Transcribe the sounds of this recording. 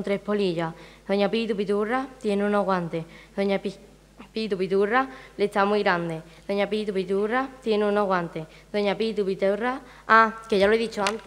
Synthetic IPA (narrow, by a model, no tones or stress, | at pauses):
nt̪ɾe̞poliʎaðoɲapit̪upit̪urat̪je̞neũnoɣwant̪eðoɲa | pit̪upit̪urale̞t̪amwiɣɾand̪e̞ | ðoɲapit̪upit̪urat̪je̞nũnoɣwant̪e | ðo̞ɲapit̪upit̪era | akeʝaloeðit͡ʃoant̪